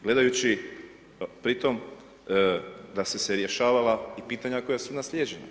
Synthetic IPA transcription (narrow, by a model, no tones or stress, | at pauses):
ɡle̞d̪ajut͡ɕi | pɾit̪o̞m | d̪ase̞seɾje̞ʃaːʋalaipiːt̪aɲakojasunasʎʲeːd͡ʑena